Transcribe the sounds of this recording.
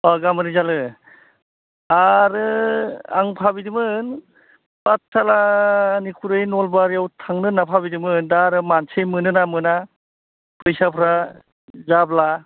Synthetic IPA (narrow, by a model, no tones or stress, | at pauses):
ɔɡamɯnizalɯ | aɾɯa̰ŋpʰabidimɯːn | b̥at̚tʰalanikʰuɾɯjnɔlbaɾijawtʰaŋnɯnapʰabidimɯɯndaɾɯmansejmɯnɯnamɯna | pʰɯjsapʰɾa | zabla